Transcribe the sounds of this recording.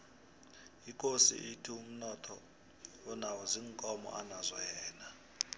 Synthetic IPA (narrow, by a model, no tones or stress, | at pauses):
ikʼosḭʔitʰium̩nɔtʰɔ | wɔnawɔziŋkʼɔmɔ̰ʔanazʷɔjɛːna